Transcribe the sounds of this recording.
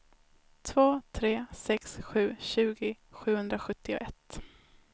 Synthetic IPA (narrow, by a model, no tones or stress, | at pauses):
t̪ʰvoːt̪ʰɾeːsɛksɧʉ̟ːɕʉ̟ːɡɪ | ɧʉ̟ːhɵnd̪ɾaɧɵt̪ːɪʊ̰ʔɛt̪ː